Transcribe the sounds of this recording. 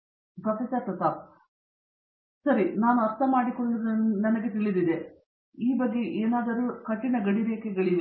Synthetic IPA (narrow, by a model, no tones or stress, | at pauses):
bɐt̪ɐt̪at̪ːɐt̪aːp̚ | sɐɾinaːnuɐɾt̪ɐmaːɽikoɳɖɐɾunɐnɐɡet̪iɭid̪id̪e | iːbɐɡːeʔeːnaːd̪ɐɾukɐʈːinɐɡɐɽiɾeːkɛɡɐɭiʋe